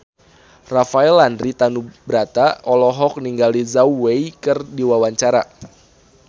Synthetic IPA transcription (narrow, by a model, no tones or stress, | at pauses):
rafaɛlandɾit̪anubɾat̪aʔɔlɔɦɔk̚niŋɡalizauwejkɨrdiwawaɲt͡ʃaɾa̰